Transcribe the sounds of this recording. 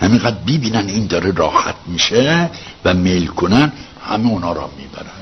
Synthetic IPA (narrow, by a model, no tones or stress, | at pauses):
hæminɡæd̪ɾbibiːnæniːnd̪ɒːɾeɾɒːhæ̰t̪̚ʰmiːʃevæmelkʰonæn | hæmeonɒːɾɒ̰mːḭːbæ̰ɾænd̪̥